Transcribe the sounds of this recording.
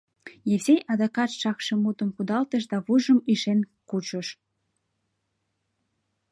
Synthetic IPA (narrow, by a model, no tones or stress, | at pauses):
jevzejʔɑd̪ɑkɑʃɑkʃemut̪ə̆mkud̪ɑlt̪əʃ̬d̪ɑβuʒəmiʃenkut͡ɕəʃ